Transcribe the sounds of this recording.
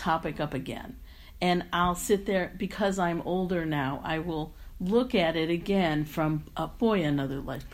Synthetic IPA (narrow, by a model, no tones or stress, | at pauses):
tʰɑpɨkʌpɨɡɛ̰̃n | ɨ̃naɪlˠsɪt̪̚ðə˞b̥ɨkʰʌzãɪ̃moʊlˠdə˞naʊʔa̰ɪwɪlˠ | lʊkɨɾɪɾɨɡɛ̃nfɹʌ̃mʔʌb̥ɔɪɨnʌðə˞la̰ɪk̚